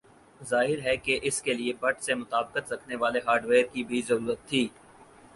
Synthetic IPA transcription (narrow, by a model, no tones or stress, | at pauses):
zaːɦɪɾɦɛkeʔɪskeliebɐʈ̚ʰsemʊt̪aːbqət̪ɾɐkʰneʋaːleɦaːɾɖʋeːɾkibʱizɐɾuːɾət̪ʰːiː